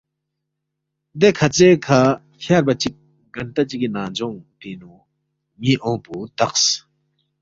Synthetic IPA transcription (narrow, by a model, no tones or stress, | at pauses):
d̪ekʰɐt͡seːkʰa | fʰjaːɾbɐt͡ʃik̚ | ɡɐnt̪ɐt͡ʃikinãːd͡ʒõːŋt̪inũ | mĩʔõːput̪ɐqs